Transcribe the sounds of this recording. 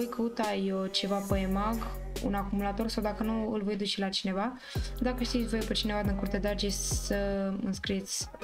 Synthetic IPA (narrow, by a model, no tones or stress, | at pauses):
ojkəut̪ajot͡ʃe̞vapəemaɡ | ṵnakumulat̪o̞rsawd̪akənuɨlvo̞jd̪ut͡ʃelat͡ʃine̞va | d̪akəʃt̪it̪sʲvojpet͡ʃine̞vad̪iŋkuɾt̪ed̪aɾd͡ʒessəɨnskɾit̪sʲ